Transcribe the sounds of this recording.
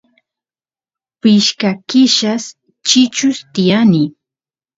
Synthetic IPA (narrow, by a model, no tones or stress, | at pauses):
pɪʃkakɪʃas | t͡ʃɪt͡ʃʊst̪ɪjanɪ